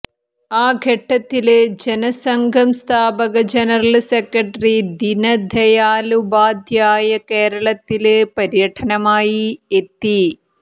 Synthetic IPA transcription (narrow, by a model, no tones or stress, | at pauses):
aːɡʱeʈːɐt̪ːild͡ʑenɐsɐŋɡʱɐmst̪ʰaːbɐɣɐd͡ʑenɐɾɐlsekːɐʈrid̪inɐd̪ʱɐjaːlubaːd̪ʱjaːjɐkeːɾɐɭɐt̪ːilpɐɾjɐʈʰɐnɐmaːjiet̪ːi